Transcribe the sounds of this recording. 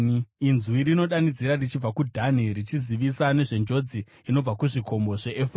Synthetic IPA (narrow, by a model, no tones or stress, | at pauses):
inzuiɾino̞ɗanid͡ziɾarit͡ʃib͡vakudʱanirit͡ʃiziʋisane̞ʐe̞nd͡ʒo̞d͡zi | ino̞b͡vakuʐikʰo̞mbo̞ʐe̞ʔefr